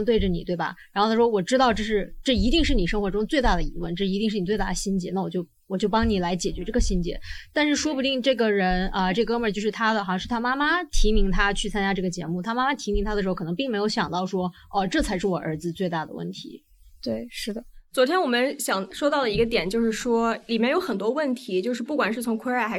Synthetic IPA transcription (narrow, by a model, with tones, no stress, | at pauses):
t̪we˥˩ɪə˩ni˨˩t̪we˥˩ɪbɐ̰˩ɻa˧˥xo˥˧˩a˥˩wɔ˥wɔ˨˩ʈ͡ʂɻ̩˥t̪ɑ˥˧ʊʈ͡ʂɤ˥˧ʂɻ̩˥˧ʈ͡ʂɤ˥˩i˧˥t̪i˥˧ŋʂɻ̩˥˩ni˨˩ʂɤ˥ŋxwɔ˧˥ʈ͡ʂʊ˥ŋt͡swe˥˧ɪt̪a˥˩d̪ə˩ḭ˧˥wə˥˩nʈ͡ʂɤ˥˩˧i˧˥i˥˧ʂ̩˥˩ni˨˩t͡swe˧ɪa˥˩ə˩ɕi˥nt͡ɕjɛ̰˧˥˦na˥˩wɔ˨˩t͡ɕjo˥˩ʊ | wɔ˨˩t͡ɕjo˥˩ʊpɑ˥ŋni˨˩la˧˥ɪt͡ɕjɛ˨˩t͡ɕɥɛ˧˥ʈ͡ʂɤ˥˩ɡə˩ɕi˥nt͡ɕjɛ̰˧˥t̪a˥˧nʂɻ̩˥˩ʂwɔ˥pu˧t̪i˥˧ŋʈ͡ʂɤ˥˩ɡə˩ɻə˧˥nə˧ʈ͡ʂɤ˥˩ɡə˩kɤ˥mə˞˨˩t͡ɕjo˥˧ʊʂɻ̩˥˩t̪ʰa˥d̪ə˨xjɑ˥˧ʂɻ̩˥˩t̪ʰa˥ma˥ma˧t̪ʰi˧˥mi˧˥ŋt̪ʰa˥t͡ɕʰy˥˩t͡sʰa˥nt͡ɕja˥ʈ͡ʂɤ˥˩ɡə˩t͡ɕjɛ̰˧˥mu˥˩t̪ʰa˥ma˥ma˥t̪ʰi˧˥mi˧˥ŋt̪ʰa˥də˩ʂɻ̩˧˥ʊkʰn˧˥pi˥˩ŋme˧˥jo˧˥ʊɕjɑ˨˩ŋt̪ɑ˥˩ʊʂwɔ˥ | ə˥˧ʈ͡ʂɤ˥˩t͡sʰa˧˥ɪʂ̬ɻ̩˥˩wɔ˨˩ʔə̰˞˧˥d͡zɹ̩˧t͡swe˥˧ɪt̪a˥˩d̪ə̰˩wə̰˥˩nt̪ʰḭ˧˥ | t̪we˥˩ɪʂɻ̩˥˩d̪ə˩t͡swɔ˧˥t̪ʰjɛ˥nwɔ˨˩mə˦nɕjɑ˨˩ŋʂwɔ˥t̪ɑ˥˩ʊlə˩i˧˥ɡə˧t̪jɛ˨˩nt͡ɕjo˥˧ʊʂɻ̩˥˩ʂwɔ˥li˨˩mjɛ˥˩njo˧˥xə˨˩nt̪wɔ˥wə˥˩nt̪ʰi˧˥t͡ɕjo˥˧ʊʂɻ̩˥˧pu˥˩kwa˨˩nʂɻ̩˥˩t͡sʰʊ˧˥ŋkʰwe˥a˥˧˩xa˧˥